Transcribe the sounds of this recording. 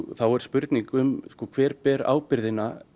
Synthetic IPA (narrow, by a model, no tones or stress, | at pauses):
θawɛɾ̥spʏɾt̪niŋkʏmskɔkʰv̥ɛːɾpɛːɾa̰ːwpɪɾðɪnːa